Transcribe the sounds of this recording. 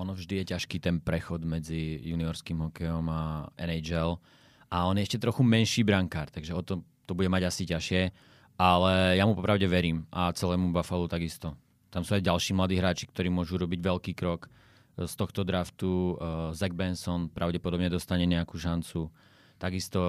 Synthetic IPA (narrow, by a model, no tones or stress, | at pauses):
ɔnɔvʒd̪ijɛcaʃkiːt̪ɛnpɾɛxɔd̪mɛd͡zijuniɔɾskiːmɦɔkɛjɔmaɛ̰nɛd͡ʒɛl | aɔnjɛɛʃcɛt̪ɾɔxumɛnʃiːbɾaŋkaːɾt̪aɡʒɛɔt̪ɔt̪ɔbuɟɛmaɟasicaʃɪɛ | alɛjamupɔpɾaʊɟɛʋɛɾiːmʔat͡sɛlɛːmubafalut̪aɡist̪ɔ | t̪amsuːajɟalʃiːmlad̪iːɦɾaːt͡ʃi̥kt̪ɔɾiːmʊɔʒuɾɔbiɟʋɛlkiːkɾɔk | st̪ɔxt̪ɔd̪ɾaft̪uzɛɡ̚bɛnsɔnpɾaʊɟɛpɔd̪ɔbɲɛd̪ɔst̪aɲɛɲɛakuːʃant͡su | t̪aɡist̪ɔ